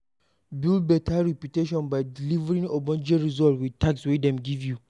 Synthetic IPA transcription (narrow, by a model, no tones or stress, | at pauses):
bilbɛtʰaɹɛpjuteʃɔ̃nbaɪdilivɾĩnobɔ̃nd͡ʒeɹizɔtwid̚tʰakswedɛ̃mɡivju